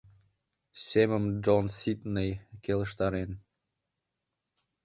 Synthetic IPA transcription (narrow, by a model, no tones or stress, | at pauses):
seməmd͡ʒonsit̪nejkeləʃt̪ɑɾen